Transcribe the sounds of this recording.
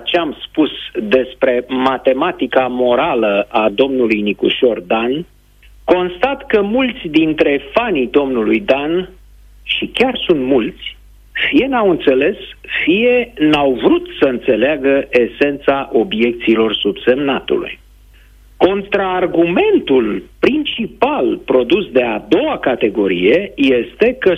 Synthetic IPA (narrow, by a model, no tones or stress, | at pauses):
t͡ʃeamspusd̪e̞spɾe̞mat̪e̞mat̪ikamo̞ɾaləad̪o̞mnulujnikuʃo̞rd̪an | ko̞nst̪at̪kəmult̪sʲd̪int̪ɾe̞fanid̪o̞mnulujd̪an | ʃikʲarsunt̪mult̪sʲ | fije̞nawɨnt̪se̞le̞sfije̞nawvɾut̪səɨnt̪se̞leaɡəʔese̞nt̪saʔo̞bje̞k̚t̪siːlo̞rsubse̞mnat̪ṵlṵj | ko̞nt̪ɾaːrɡume̞nt̪ulpɾint͡ʃipalpɾo̞d̪usd̪e̞ad̪o̞wakat̪e̞ɡo̞ɾḭje̞je̞st̪e̞kə